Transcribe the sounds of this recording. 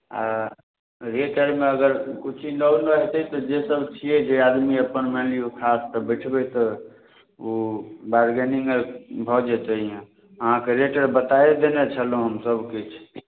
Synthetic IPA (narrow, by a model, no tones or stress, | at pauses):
a̰ | ɾeʈəɾmeəɡəɾkut͡ʃʰinawnɾəɦt̪ɛt̪ɔd͡ʒesəbt͡ʃʰiɛd͡ʒead̪miəpənmelijokʰast̪əbəʈʰbɛt̪ɔ | obaɾɡeniŋbʱɔd͡ʒɛt͡ʃ̪aɦijẽ | əɦãkeɾeʈəɾbət̪aed̪enet͡ʃʰəlɦõɦəmsəbʱkit͡ʃʰ